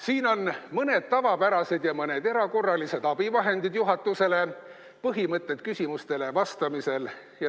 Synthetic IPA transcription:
siːno̞nmɤne̞d̪̥̚t̪ɑvɑpæɾɑse̞d̪̥jɑmɤne̞d̪e̞ɾɑko̞rːɑlise̞d̪ɑb̥ivɑɦe̞nd̪id̪̥juɦɑt̪ːˑuse̞le̞ | pɤɦimɤt̪ˑːe̞t̪kysʲimust̪e̞le̞vɑst̪ɑmise̞l | jɑ

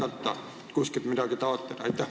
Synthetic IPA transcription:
ɑt̪ːɑ̰ | kusket̪mit̪ækit̪ɑʋot̪ːet̪ɑ̰et̪ːæ

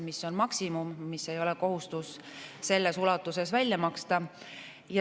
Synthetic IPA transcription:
misːo̞nmɑksimumːisːe̞jo̞lɛko̞ɦust̪us | se̞lːe̞sulɑt̪ːˑuse̞svælʲːjɑmɑkst̪ɑ | jɑ

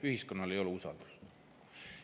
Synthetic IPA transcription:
yhisko̞nːɑle̞jo̞luusɑ̰ld̪u̥s

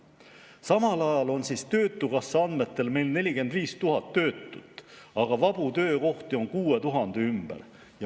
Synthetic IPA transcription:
sɑmɑlɑjɑlo̞nsist̪ø̞ːt̪ːˑukɑsːɑɑnd̪me̞t̪ːˑe̞lme̞jlne̞lʲike̞nd̪viːst̪uɦɑt̪ːø̞ːt̪ˑːut̪ːˑɑɡ̥ɑvɑb̥ut̪ø̞ːko̞ht̪io̞ŋkuːe̞t̪uɦɑnd̪̥eymb̥ḛɾ | jɑ

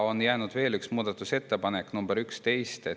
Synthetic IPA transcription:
o̞njæːnud̪̥ve̞ːlyksmuːd̪̥ɑt̪ːˑuse̞t̪ːepɑnekːˑnumbeɾykst̪e̞jst̪e

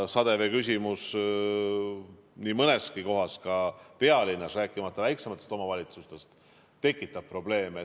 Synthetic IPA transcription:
sɑd̪̥e̞ve̞kys̬ʲimus | niːmɤne̞skiko̞ɦɑskɑpe̞ɑlinːɑsræːkːˑimɑt̪ːˑɑvæjksemɑt̪ːˑest̪o̞mɑvɑlʲit̪sust̪e̞st̪ | t̪ːe̞kːˑit̪ːˑɑb̥̚pro̞ble̞ːme

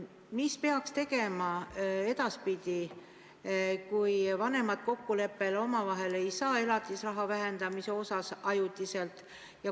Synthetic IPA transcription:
mispe̞ɑkst̪e̞ɡ̥e̞mɑe̞d̪̥ɑspid̪̥i | kujvɑne̞mɑd̪̥ko̞kːule̞pːe̞lo̞mɑvɑɦe̞le̞jsɑːe̞lɑt̪ːˑisrɑɦɑvæɦe̞nd̪̥ɑmise̞o̞sɑsɑjut̪ːˑise̞lt̪ˑ | jɑ

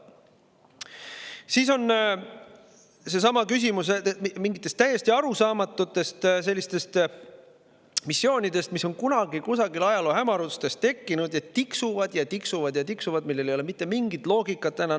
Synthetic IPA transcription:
siːso̞n | se̞sɑmɑkys̬imus̬emiŋɡit̪ːˑe̞st̪ːæjːe̞sʲt̪iɑɾusɑːmɑt̪ːˑut̪ːˑe̞st̪selːist̪e̞st̪ | misːjo̞ːnid̪e̞st̪miso̞nkunɑɡ̥ikusɑɡilɑjɑloːɦæmɑɾut̪st̪e̞st̪ːe̞kːinud̪jɑt̪ːiksuvɑd̪̥jɑt̪iksuvɑd̪̥jɑt̪iksuvɑd̪milːele̞joemit̪ːe̞miŋɡit̪ˑlo̞ːɡ̥ikːˑɑt̪ːænɑ

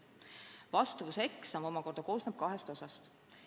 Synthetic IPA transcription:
vɑst̪uvuse̞ksɑmo̞mɑko̞rɾd̪̥ɑko̞ːsnɑb̥̚kɑɦest̪o̞sɑst̪

